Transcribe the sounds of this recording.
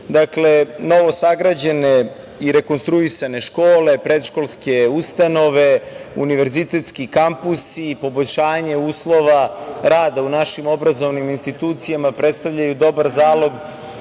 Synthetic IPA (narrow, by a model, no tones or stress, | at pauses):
d̪akle̞no̞ʋo̞saɡɾad͡ʑe̞ne | iɾeko̞nst̪ɾuisane̞ʃkoːle̞pɾed̪ʃko̞lˠske̞ust̪ano̞ʋe̞ṵniʋe̞ɾzit̪e̞t̪skikampusipo̞boʎʲʃaːɲe̞uːslˠo̞ʋaɾaːd̪aunaʃimo̞bɾazo̞ʋniminst̪it̪uːt̪sijamapɾet̪st̪avʎajud̪o̞baɾzaːlˠo̞ɡ